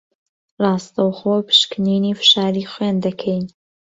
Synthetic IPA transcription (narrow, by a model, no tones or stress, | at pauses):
rɑːst̪ɐwχopʰɨ̥ʃkɨniniːfɨ̥ʃaːɾiːχwend̪ɐkʰɛjn